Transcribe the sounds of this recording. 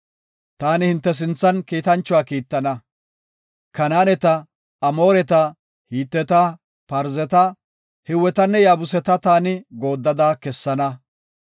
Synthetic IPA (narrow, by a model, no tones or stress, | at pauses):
t̪aːnɪhɪnt̪ːɛs̬ɪnt͡sːɐnkiːt̪ɐnt͡ʃːʊwaːkiːt̪ːɐnɐ | kɐnaːnɛt̪ɐː | mo̞ːɾɛt̪ɐ | hiːt̪ːɛt̪ɐ | pɐɾzɛt̪ɐ | hɪwɛt̪ɐnːɛjaːbʊsɛt̪ɐt̪aːnɪɡo̞ːd̪ːɐd̪aːkɛsːɐnɐ